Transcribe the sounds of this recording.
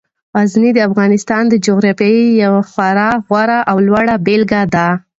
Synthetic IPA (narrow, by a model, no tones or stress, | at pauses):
ɣaznid̪əafɣɑnɪst̪ɑnd̪əd͡ʒoɣɾɑfjɑijawaxwaɾaɣwaɾaʔawlwaɽabelɡad̪a